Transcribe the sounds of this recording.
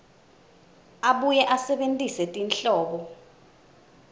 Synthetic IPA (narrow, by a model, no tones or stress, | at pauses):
aɓujɛʔasɛɓentʼisɛtʼinɬɔːɓɔ